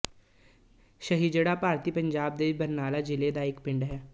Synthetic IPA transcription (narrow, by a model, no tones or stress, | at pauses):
ʃəɦiːd͡ʒeɽapaːɾt̪iːpə̃ɲd͡ʒaːb̚d̪eʋibəɾnaːlad͡ʒɪled̪aɪːkpɪ̃ɳɖɦɛː